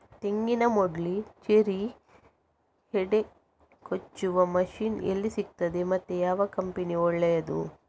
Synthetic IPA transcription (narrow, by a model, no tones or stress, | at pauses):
t̪eŋɡinɐmoɖlit͡ʃeɾi | heɖe | kot͡ʃːuʋɐmɐʃiːnḛlːisik̚t̪ɐd̪emɐt̪ːejaːʋɐkɐmpiniɔɭːɐjɐd̪ṵ